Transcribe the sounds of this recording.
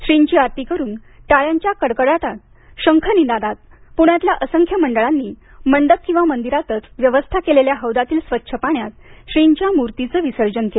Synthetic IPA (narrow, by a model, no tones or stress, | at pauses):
ɕɾiɲt͡ɕiːaɾt̪ikəɾuːn | ʈaɭjaɲt͡ɕjakəɽkəɽat̪at̪̚ | ɕəŋkʰənid̪ad̪at̪̚ | puɳ̃jat̪ljaʔəsəŋkʰjəməɳɖəɭanːiː | məɳɖək̚kĩw̃ʋamənd̪iɾat̪ət͡sʋjəʋəst̪ʰakeleljaɦəʋd̪at̪iːlsʋətːɕʰəpaɳjat̪ɕɾiɲt͡ɕjamuɾt̪it͡səːʋisəɾd͡ʑənkel